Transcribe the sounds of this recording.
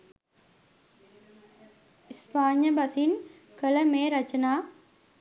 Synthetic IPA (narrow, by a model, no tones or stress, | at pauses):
ispaːɲjɐbɐsin | kələmeːɾɐt͡ʃɐnaː